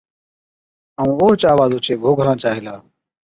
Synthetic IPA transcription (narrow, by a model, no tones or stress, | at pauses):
əũːoːt͡ʃaːʋaːzoːt͡ʃʰeːɡʱoːɡʱəɾãːt͡ʃaːɦɪlaː